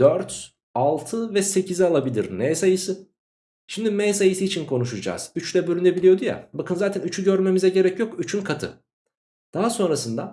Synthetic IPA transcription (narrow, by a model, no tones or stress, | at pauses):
d̪̥øɾt̪ | alˠt̪ʰɯvɛse̞cʰizialˠabilʲiɾnejsajɯsɯ | ʃimd̪imɛjsajɯsɯit͡ʃʰinkʰo̞nuʃud͡ʒa̰ːz̥yt͡ʃlʲɛbøɾʲynd̪ebilʲijo̞d̪uja̰bakʰɯnzaːt̪ʰænyt͡ʃʰyɟøɾme̞mizɛɟe̞ɾɛcjo̞kyt͡ʃʰynkʰat̪ʰɯ̰ | d̪̥aɦaso̞nɾasɯnd̪a